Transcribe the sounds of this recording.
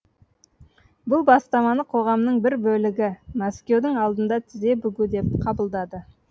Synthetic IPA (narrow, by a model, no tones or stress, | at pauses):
bʊlˠbɑst̪ɑmɑnəqʰo̞ʁɑmnəɴbɪɾbɵlɪɡʲɪmaskʲe̞wd̪ɪŋɑlˠd̪ənd̪ɑt̪ʰɪze̞bʏɡʲud̪e̞p̚qʰɑbəlˠd̪ɑd̪ə